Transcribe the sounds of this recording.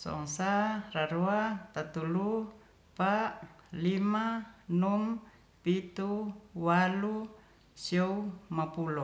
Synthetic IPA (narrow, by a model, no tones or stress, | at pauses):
sɔ̰ŋsaraɾuat̪at̪ulu | palimanum | pit̪uwalu | siɔumapulɔ